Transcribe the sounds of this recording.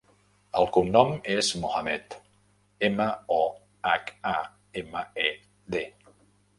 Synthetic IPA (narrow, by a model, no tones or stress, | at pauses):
əlˠkumnɔmezmuamɛt̪ | eməɔ | aka | eməe | d̪e